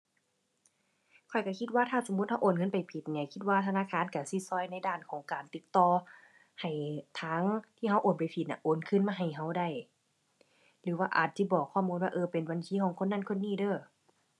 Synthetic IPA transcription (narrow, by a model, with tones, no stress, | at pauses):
kʰɔ˨˩jka˧˩kʰi˧t̪̚waː˧˨t̪ʰaː˧˥˩so˨˦muː˧˥˦t̪̚ha˧wʔoː˨˩˨nkʰɤ˧˥˨npa˨jpʰi˨˦t̪̚nɛ˧˩kʰi˧˦t̪̚waː˧˨t̪ʰa˧aː˧˥˨kʰaː˧˥˨nka˧˩si˧sɔː˧˩˨jna˧˥˨jdaː˧˩˨nkʰɔː˨˦ŋkaː˨˩nt̪i˧˦t̪t̪ɔː˧ | ha˨˩jt̪ʰaː˧˥ŋt̪ʰiː˧˩ɦa˧˥wʔoː˨˩npa˨˩jpʰi˨t̪̚na̰˧˩ʔoː˨˩nkʰɯ˧˨nmaː˧˨ɦa˨˩jɦa˧˩wda˧˩j | lɯː˨˦waː˧ʔa̰ː˨˩t̪̚t͡ɕi˧˦bɔː˨˩kʰːɔː˧˩˨muː˧nwaː˧ʔɤː˧pe˨nwa˨nt̪ʰiː˧˥˨kʰɔː˨˦ŋkʰo˧˥˨nːa˧˥˨nkʰo˧˥˨nːiː˧˥˨dɤː˧˩